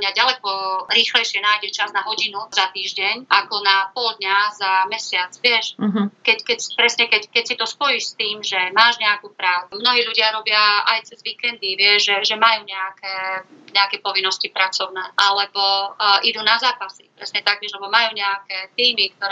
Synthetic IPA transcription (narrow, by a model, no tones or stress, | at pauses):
ɲaɟalɛkɔɾiːxlɛjʃɪɛnaːjɟɛt͡ʃaznaɦɔɟinuzat̪iːʒɟɛɲʔakɔnapɔld̪ɲazamɛsɪat͡sʋɪɛʃɦkɛckɛcspɾɛsɲɛkɛckɛcsit̪ɔspɔjiʃst̪iːmʒɛmaːʒɲɛakuːpɾaːt͡smnɔɦiːluɟɪaɾɔbɪaajt͡sɛzʋikɛnd̪iʋɪɛʒʒɛʒɛmajuːɲɛakɛɲɛakɛpɔʋinːɔscipɾat͡sɔʊnɛːʔalɛbɔʔid̪unazaːpasipɾɛsɲɛt̪aɡ̚ʋɪɛʒlɛbɔmajuːɲɛakɛt̪iːmik̚t̪ɔɾɛ